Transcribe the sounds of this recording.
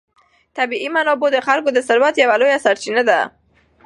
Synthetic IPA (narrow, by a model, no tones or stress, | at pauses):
t̪abiimanɔbod̪əxalkod̪əsaɾwat̪jawalojasaɾt͡ʃinad̪a̰